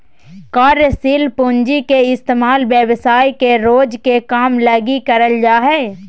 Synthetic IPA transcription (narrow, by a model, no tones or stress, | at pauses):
kaːɾjəsilpʊɲd͡ʒikeɪst̪eːmaːlʋjəwsaːikeɾoːd͡ʒkekaːmlɐɡikəɾəld͡ʒaːɦɛː